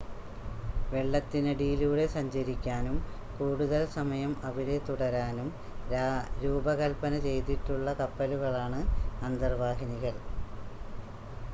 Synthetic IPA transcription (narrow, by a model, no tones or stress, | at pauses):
ʋe̞ɭːɐt̪ːinɐɖiːluːɽe̞sɐɲd͡ʑɐɾikʲːaːnum | kuːɽuðɐlsɐmɐjɐmɐʋiɾe̞t̪uɽɐɾaːnum | ɾuːbɐɣɐlpɐnɐt͡ɕe̞jt̪iʈːuɭːɐkɐpːɐluɣɐɭaːɳɨɐnd̪ɐrʋaːɦiniɣɐl